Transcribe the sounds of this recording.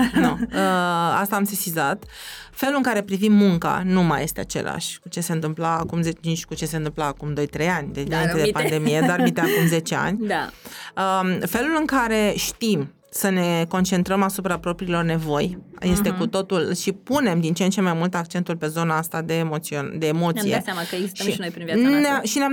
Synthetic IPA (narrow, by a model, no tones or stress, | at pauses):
nuəast̪aːmsesizat̪fe̞lulɨŋkaɾe̞pɾivimːuŋka̰numajʔe̞st̪ea̰t͡ʃe̞̰la̰ʃʲkut͡ʃe̞se̞ɨnt̪ɨmplaːkumzet͡ʃit͡ʃkut͡ʃe̞se̞ɨnt̪ɨmplaːkumd̪o̞jt̪ɾejanʲd̪emomened̪epand̪e̞mije̞d̪arvit̪eakumze̞t͡ʃea̰nʲ | əfe̞lulɨŋkaɾe̞ʃt̪im | səne̞ko̞nt͡ʃe̞nt̪ɾəmasupɾapɾo̞pɾilo̞rne̞vo̞jje̞st̪e̞kut̪o̞t̪ulʃipune̞md̪int͡ʃeent͡ʃe̞majmult̪ak̚t͡ʃe̞nt̪ulpe̞zo̞naast̪ad̪e̞ːmot̪siond̪e̞ːmo̞t̪aija̰t̪samakəeɡzisʃəiʃinojpɾinvjat̪neaʃinea